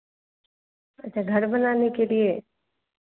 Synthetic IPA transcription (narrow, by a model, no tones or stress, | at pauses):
ətːt͡ʃʰaːɡʱəɾbənaːnekelie